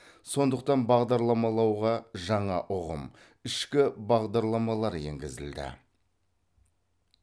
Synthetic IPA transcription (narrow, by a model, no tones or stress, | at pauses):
so̞nd̪əq̚t̪ɑnbɑʁd̪ɑɾlˠɑmɑlˠɑwʁɑʒɑɴɑʔʊʁə̰m | ɪʃkʲɪbɑʁd̪ɑɾlˠɑmɑlˠɑɾje̞̰ŋɡʲɪzɪ̰ld̪ɪ̰